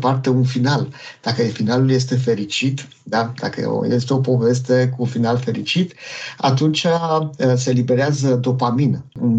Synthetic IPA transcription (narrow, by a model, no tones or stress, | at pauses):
part̪e̞unfinald̪̥akəfinalulje̞s̬t̪e̞fe̞ɾit͡ʃit̪ | d̪ad̪akə̰jest̪e̞o̞po̞ve̞s̬t̪e̞kuːnfinalfe̞ɾit͡ʃit̪a̰t̪unt͡ʃase̞libe̞ɾeazəd̪o̞paminɨn